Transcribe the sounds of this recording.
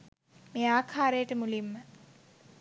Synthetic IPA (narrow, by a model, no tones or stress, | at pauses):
meːaːkʰaːɾejəʈəmulimːə